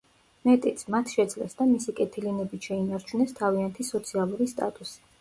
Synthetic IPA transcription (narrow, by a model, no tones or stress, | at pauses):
mɛt̪ʼit̪sʰmat̪ʰʃɛd̪zlɛ̰sd̪amisikʼɛt̪ʰilinɛbit̪ʃɛinaɾt͡ʃʰunɛst̪ʰaviant̪ʰisɔt̪sʰialˠuɾist̪ʼa̰t̪ʼusi̥